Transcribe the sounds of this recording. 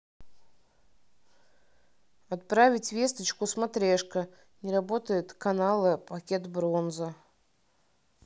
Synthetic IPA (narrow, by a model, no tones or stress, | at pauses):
at̪̚pɾavʲɪtʲvʲest̪ət͡ɕkʊsmat̪ɾʲeʂkə | nʲɪɾabot̪əjɪt̪kanalˠɨpɐkʲet̪bɾonzə